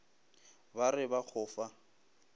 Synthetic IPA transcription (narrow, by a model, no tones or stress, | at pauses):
barɪbak͡xʰʊːfa